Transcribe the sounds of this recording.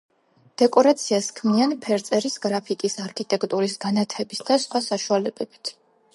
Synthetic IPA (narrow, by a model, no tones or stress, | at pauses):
d̪̥ɛkʼɔɾat̪sʰiaskʰmianpʰɛɾt̪sʼɛɾisɡɾapʰikʼisaɾkʰit̪ʼɛkʰt̪ʼuɾisɡanat̪ʰɛbisd̪asχwasaʃualɛbɛb̥it̪ʰ